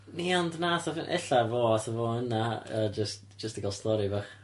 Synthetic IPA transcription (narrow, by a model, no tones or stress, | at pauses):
niɔndnaːθɔvɪnʔɛ̰ɬavoːatəvoːənaəd͡ʒəst | d͡ʒ̥əstəɡalˠstɔɾivaχ